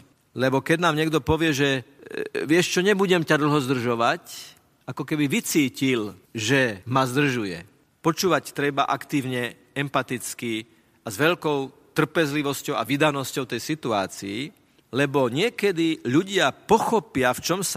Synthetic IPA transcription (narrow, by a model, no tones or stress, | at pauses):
lɛbɔkɛɟnaːmɲɛɡd̪ɔpɔʋɪɛʒɛ | ʋɪɛʃt͡ʃɔɲɛbuɟɛmcad̪l̩ˠɦɔzd̪r̩ʒɔʋac | akɔkɛbiʋit͡siːcilʒɛmazd̪r̩ʒujɛ̰ | pɔt͡ʃuːʋact̪ɾɛbaʔakt̪iːʊɲɛ | ɛmpat̪it͡ski | azʋɛʎkɔʊ | t̪r̩pɛzliʋɔscɔʊa̰ʋid̪anɔscɔʊt̪ɛjsit̪ua̰ːt͡sii | lɛbɔɲɪɛkɛd̪iʎuɟɪapɔxɔpɪaft͡ʃɔms